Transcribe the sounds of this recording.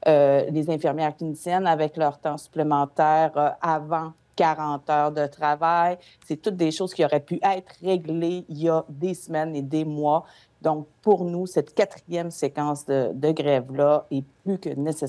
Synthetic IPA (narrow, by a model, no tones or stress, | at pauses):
ølezɛ̃fiʁmjɛːʁkʲinsjɛnavɛklœʁt̪ɑ̃sy̥plemɑ̃t̪ɛːʁøʔavɑ̃ | kaʁɑ̃t̪œːʁd̪ət̪χavaj | sɛt̪ʊt̪̚d̪eʃoːz̥kʲiɔʁɛpyʔɛt̪χʁeɡleijad̪esmɛned̪emwa | d̪̥ɔ̃k̚puʁnusɛt̪kʲat̪χijɛmsekɑ̃sd̪əd̪əɡʁɛvlaɛplykənese